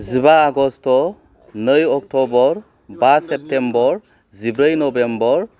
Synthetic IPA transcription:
zibaːɡɔstɔ | nɯjɔk̚tʰɔbɔɾ | basep̚tembɔɾ | zibɾɯjnɔbembɔɾ

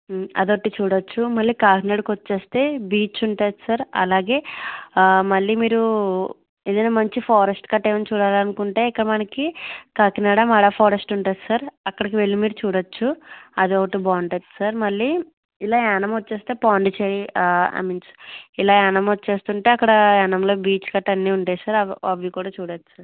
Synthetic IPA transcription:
ɐ̰d̪oʈːit͡ʃuːɽɐt͡ʃːumɐɭːiːkaːkinaːɽɐkʋot͡ʃːe̞ːst̪e̞ːbiːt͡ʃt͡ʃuɳʈaːd̪i̥saːɾɐ̰laːɡe̞ː | mɐɭːiːmiːɾu | eːd̪ɐnɐːmɐɲt͡ʃipʰɔːɾɐsʈkɐʈːeːʋɐnt͡ʃuːɽaːlɐnukuɳʈeːikːɐɽɐmɐnɐkikaːkinaːɽamɐɽapʰoːɾɐsʈuɳʈaːd̪isaːɾɐkːɐɽɐkiʋe̞ɭːimiːɾut͡ʃuːɽɐt͡ʃːuɐd̪ioʋɐʈubaːɳʈɐt̪ːu̥saːɾmɐɭːiː | ilaːɛːnɐmoːe̞ːst̪e̞ːpaːɳɖit͡ʃeːjia̰ːmiːnsilaːɛnɐmot͡ʃːe̞ːst̪uɳʈe̞ːɐkːɐɽɐɛnɐmlo̞ːbiːt͡ʃkɐʈːɐnːiːuɳʈaːjsaːɾɐʋikuːɽaːt͡ʃuːɽat͡ʃːu̥saːɾ

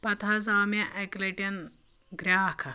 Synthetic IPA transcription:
pɐt̪ʰɐzaːmɐʔɐkleʈjɐn | ɡɾʲaːkʰɐ

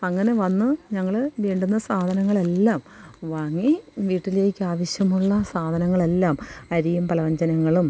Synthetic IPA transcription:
ɐŋːɐne̞ʋɐnːɨɲɐŋːɐɭʋeːɳɖunːɐsaːd̪ʱɐnɐŋːɐɭe̞lːaːmʋaːŋːiʋiːʈːile̞ːkʲːɨaːʋɐɕjɐmuɭːɐsaːd̪ʱɐnɐŋːɐɭe̞lːaːmɐɾijumplɐʋɐɲd͡ʑɐnɐŋːɐɭum

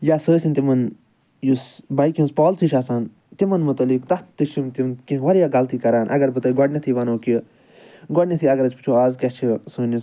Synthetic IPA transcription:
jaːsəːsʲint̪imɐn | jusbɐjkjĩnspɔːlt͡sʰiʃaːsaːn | t̪imɐnmut̪ɐlikt̪ɐt̪t̪ːɨʃimt̪imkĩʋɐɾjaːɡɐlt̪ʰikɐɾaːnʔɐ̰ɡɐɾbɨt̪əːɡɔɖnʲɐt̪ʰiʋɐnoːki | ɡɔɖnʲɐt̪ʰiɐɡɐɾɐt͡ʃpi̥t͡ʃʰoːaːzkʲɛt͡ʃʰisɨːnis

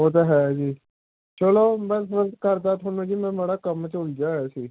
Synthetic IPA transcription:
oːt̪̬eɦɛːd͡ʒiː | t͡ʃəloːmɛ̃ːmə̃kəɾd̪aːt̪ʰoːnõːd͡ʒiːmɛ̃ːmeːɽaːkəmt͡ʃʊld͡ʒaːɦɛːsiː

